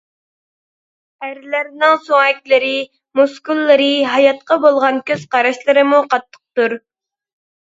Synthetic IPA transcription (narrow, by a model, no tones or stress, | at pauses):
æɾlæɾnɪŋsoŋɛkʲlɨɾɪ | muskulˠːɨɾɨɦɑjɑt̪̚qɑbolˠʁɑnkʲøz̥qɑɾɑʃlˠɨɾɨmuqʰɑt̪ʰːə̥q̚t̪uɾ